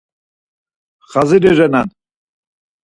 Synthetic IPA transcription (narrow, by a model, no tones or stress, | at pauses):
χaziɾɛʒɛnan